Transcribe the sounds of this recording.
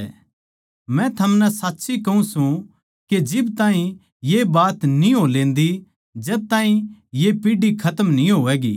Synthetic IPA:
mɛ̃t̪ʰɐmnɛsaːtːʃikɐũsũ | ked͡ʒɪbt̪ãːɦĩ | jebaːt̪nĩɦolẽːnd̪i | d͡ʒɛːb̚t̪aːɦĩjepiːɖikʰɐt̪əmnĩɦoːɛːɡḭː

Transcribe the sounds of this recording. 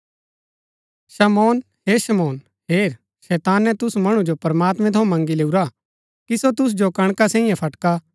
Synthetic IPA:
ʃɐmɔːn | ɦeːʃɐmɔːn | ɦeːɾ | ʃɛːt̪aːnːɛ̃t̪ʊsmɐɽ̃ũd͡ʒopɐɾmaːt̪mɛ̃t̪ʰõmɐ̃ŋɡileːuɾa | kisot̪ʊs̬d͡ʒokɐ̃ɽ̃kasɛ̃ːĩjãpʰɐʈka

